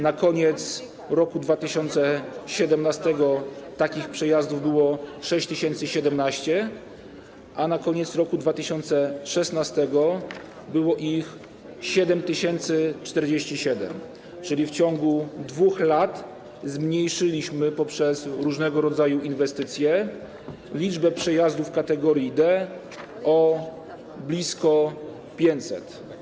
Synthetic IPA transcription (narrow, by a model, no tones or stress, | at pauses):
nakɔɲɛt̪s | ɾɔkud̪vat̪ɘɕɔnt̪sɛɕɛd̪ɛmnast̪ɛɡɔt̪akʲixpʂɛjazd̪uvbɘwɔʂɛɕt͡ɕt̪ɘɕɛnt̪sɘɕɛd̪ɛmnaɕt͡ɕɛ | ʔanakɔɲɛt̪sɾɔkud̪vat̪ɘɕɔnt̪sɛʂɛsnast̪ɛɡɔ | bɘwɔʔix | ɕɛd̪ɛmt̪ɘɕɛnt̪sɘt͡ʂt̪ɛɾd͡ʑeɕt͡ɕiɕɛd̪ɛ̰m | t͡ʂɘlʲift͡ɕɔŋɡud̪vuxlat̪ | zmɲejʂɘlʲiɕmɘpɔpʂɛsɾuʐnɛɡɔɾɔd̪zajuʔinvɛst̪ɘt̪sʲjɛ | lʲid͡ʐbɛpʂɛjazd̪ufkat̪ɛɡɔɾjid̪ɛ | ɔ | blʲiskɔ | pʲjeɲt̪sɛ̰t̪